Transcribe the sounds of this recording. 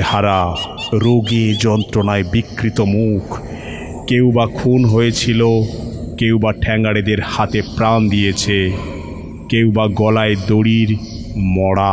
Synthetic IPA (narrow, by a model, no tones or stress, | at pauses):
haɾaɾoɡid͡ʑɔnt̪ɾonaebikːɾit̪omukʰ | kewbakʰunɦojet͡ɕʰilokewbaʈʰɛŋɡaɽed̪eɾhat̪epɾand̪ijet͡ɕʰe | kewbaɡɔlaed̪oɽiɾ | mɔɽa